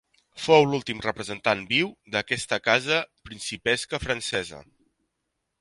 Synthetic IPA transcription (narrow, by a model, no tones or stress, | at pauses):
fowlulˠt̪imrəpɾəzənt̪anbiwd̪əkɛst̪əkazəpɾinsipɛskəfɾənsɛzə̰